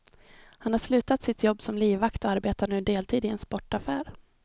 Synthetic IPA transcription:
hanhaʂlʉ̟ːt̪at̪sɪt̪ʰjɔbːsɔmliːvakt̪ɔaɾbeːt̪anʉ̟ːd̪eːlt̪ʰiːd̪ɪɛnspɔʈːafæːɾ

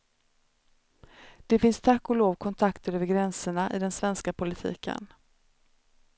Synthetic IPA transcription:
d̪̥ɛfɪnst̪ʰakːɔloːvkʰɔnt̪ʰakt̪əɾøːvəɾɡɾɛnsəɳaʔɪ̰d̪ɛnsvɛnskapʰʊlɪt̪ʰḭːkʰə̰n

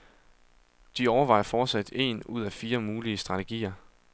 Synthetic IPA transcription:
d̥iɒʊɐʋɑ̈ɪ̰ɐfɒːd̥sæd̥e̝̰nuð̞̰ˠæfiːɐmuːliəsd̥ʁɑ̈t͡sʰe̝ɡ̥ḭːɐ

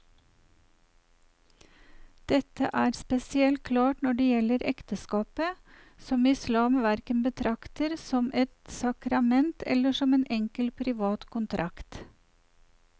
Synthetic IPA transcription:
d̪̥ɛt̪ə̰ʔæːɾspɛsɪɛlt̪̚kʰlɑːʈnɔɖeːjɛləɾʔɛkt̪əskɑːpə | sɔmɪslɑːmʋæɾkənbət̪ʰɾɑkt̪əɾsɔmɛt̪sɑkɾɑmɛnt̪ʰɛ̰ləʃɔmeːnʔɛŋkəlpʰɾɪʋɑːt̪kʰʊnt̪ʰɾʔɑkt̪

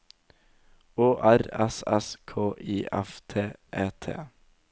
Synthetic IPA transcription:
oːʔæɾɛ̰sɛskʰoːʔiːʔɛft̪ʰeːʔeːt̪ʰḛː

